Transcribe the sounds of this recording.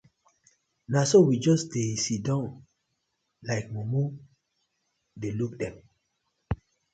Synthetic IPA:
nasowid͡ʒɔsdesidãʊ̃n | laɪk̚momu | deluk̚dɛ̃m

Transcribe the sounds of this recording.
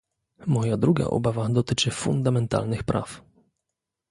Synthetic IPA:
mɔjad̪ɾuɡa̰ʔɔ̰bavad̪ɔt̪ɘt͡ʂɘfund̪amɛnt̪a̰lnɘxpɾʔa̰f

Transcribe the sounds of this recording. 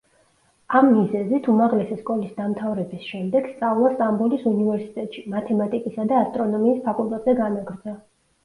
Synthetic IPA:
amːizɛzit̪ʰumaʁlɛsiskʼɔlisd̪amt̪ʰavɾɛbisʃɛmd̪ɛɡ̥st̪sʼavlˠast̪ʼambɔlisunivɛɾsi̥t̪ʼɛt̪ʼʃimat̪ʰɛmat̪ʼikʼisad̪aːst̪ʼɾɔnɔmiːspʰakʼulˠt̪ʼɛt̪ʼzɛɡanaɡɾd̪za

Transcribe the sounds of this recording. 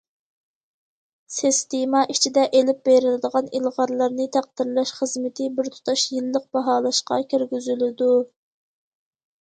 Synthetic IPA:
sest̪imɑʔit͡ʃʰid̪ɛʔelɪp̚beɾɪlɪd̪əʁɑnilˠʁɑɾlˠəɾnɨt̪ʰæq̚d̪ɪɾlˠɑʃχəzmɪt̪ʰɪbɪɾt̪ʰu̥t̪ʰɑʃjilːəq̚b̥ɑɦɑːlˠɑʃqɑ̰kʲɾɡʲyzylɪd̪u

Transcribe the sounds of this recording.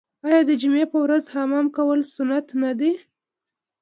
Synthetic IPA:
ɑjɑd̪əd͡ʒumepəwɾazhamɑmkawəlsʊnat̪nad̪e

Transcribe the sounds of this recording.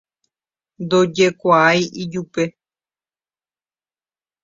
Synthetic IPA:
nd̪od͡ʒekʷaajid͡ʒupe

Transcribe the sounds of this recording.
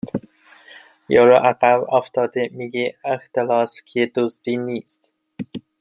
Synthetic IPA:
jɒ̰ːɾɔʔæɡæbɾɒːft̪ɒːd̪emiːɡeext̪elɑːskʰed̪ozd̪iːniːst̪

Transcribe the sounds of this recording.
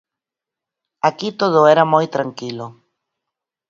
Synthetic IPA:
akit̪oðʊɛɾamojt̪ɾaŋkilʊ

